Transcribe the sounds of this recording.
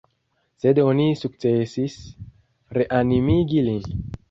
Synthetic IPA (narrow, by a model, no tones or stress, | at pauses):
sedonisuk̚t͡sesis | ɾeʔanimiɡilin